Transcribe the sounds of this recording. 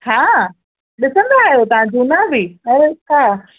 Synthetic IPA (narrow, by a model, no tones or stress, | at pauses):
haː | ɗɪsə̃nd̪oaːɦjot̪ɐʋãd͡ʑunabiɐɾkaː